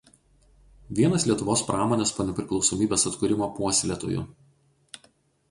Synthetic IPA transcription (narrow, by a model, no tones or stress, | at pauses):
ʋʲiɛnɐsʲlʲiɛt̪ʊʋoːspɾʔɑːmoːnʲeːspoːnʲɛpʲɾʲɪklˠɒʊsoːmʲiːbʲeːsɐt̪kʊɾʲɪmoːpuɔsʲlʲet̪o̰ːjʊ̰